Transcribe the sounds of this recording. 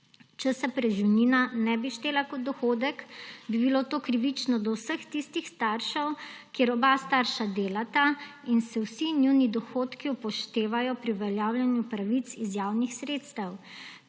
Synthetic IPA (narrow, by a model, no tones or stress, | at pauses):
t͡ʃəsɛpɾɛʒiwniːnanɛbiʃt̪eːlakɔd̪̚d̪ɔxoːd̪əkbibilot̪oːkɾiʋit͡ʃnɔd̪ɔwsəxt̪ist̪ixst̪aɾʃɛwkeɾɔbast̪aɾʃad̪eːlat̪ainsɛwsinjunid̪ɔxoːt̪kiupɔʃt̪eːʋajɔpɾiuʋɛljaːwljɛnjupɾaʋit̪sizjaːwnixsɾeːt̪st̪əw